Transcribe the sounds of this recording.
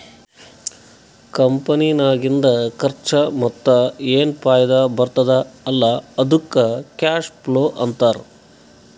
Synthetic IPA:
kɐmpɐninaːɡind̪ɐkʰɐɾt͡ʃʰɐmɐt̪ːɐeːnpaːjɐd̪aːbɐɾt̪ɐd̪ɐːlːaɐd̪ukːɐkaːʂploːʔɐnt̪aɾ

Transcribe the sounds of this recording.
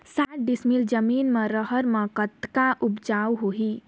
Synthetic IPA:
saʈ̚ɖismild͡ʒəminmeɾəɦəɾmekət̪kaʔubd͡ʒawɦoɦi

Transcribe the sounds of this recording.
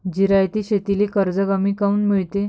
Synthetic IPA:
d͡ʑiɾajt̪iːɕet̪ilekəɾd͡zəɡəmiːkauːnmiɭt̪e

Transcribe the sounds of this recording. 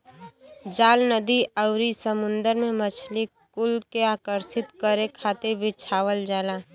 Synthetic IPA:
d͡ʒaːlnəd̪iəʊɾisəmʊ̃nd̪əɾmẽmət͡ʃʰli | kʊlkeaːkəɾsɪt̪kəɾekʰaːt̪ebʱɪt͡ʃʰaːʋəld͡ʒaːlaː

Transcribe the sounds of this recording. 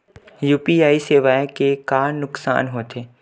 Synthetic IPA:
juːpiaːiseːʋaːekekaːɾnʊksa̰ːnɦoːt̪ʰeː

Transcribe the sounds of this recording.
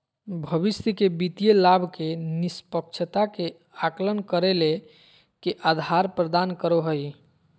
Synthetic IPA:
bʱəbiskebit̪ijelabʱkenispəkt͡ʃʰət̪ake | aklənkəɾele | keʔad̪ʱaɾpɾəd̪ankəɾoɦəj

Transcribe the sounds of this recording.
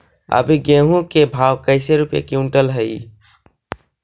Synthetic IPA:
ə̰bʱiɡẽːɦũkebʱaːwkəɪseɾupjḛkiũɳʈəlɦəi

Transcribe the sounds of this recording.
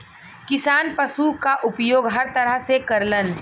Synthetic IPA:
kɪsaːnpɐsukaʔʊpjoːɡɦɐɾt̪ɐɾəɦsekɐɾlən

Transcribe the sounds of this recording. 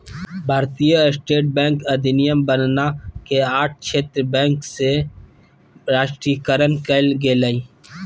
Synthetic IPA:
bʱaːɾt̪ijəsʈeːʈ̚bɛ̃ːŋkəd̪ɪnijəmbənnakeaːʈ̚ʰkʃʰeːt̪ɾbɛ̃ːŋkse | ɾaːʃʈɾikəɾənkəlɡeːlaĩ

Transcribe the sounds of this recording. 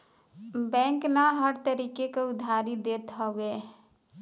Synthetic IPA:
bɛ̃ŋknaɦəɾt̪əɾikekeʊd̪ʱaɾid̪et̪ɦəʋe

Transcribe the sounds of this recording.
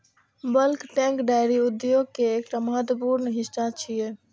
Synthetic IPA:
bəlkʈɛ̃ŋkɖajɾiud̪joɡ̚keːkʈaməɦət̪wəpuɾnɦisːat͡ʃʰije

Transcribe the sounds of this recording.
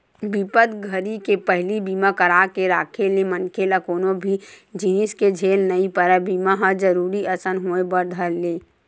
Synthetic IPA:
bipəd̪ɡʱəɾikepəɦɪlibiːmakəɾakeɾaːkʰelemənkʰeləkoːnobʱid͡ʒinɪsked͡ʒʱeːlnəipəɾɛbiːmaɦãd͡ʒəɾuːɾiəsənɦoebəɾd̪ʱəlleː

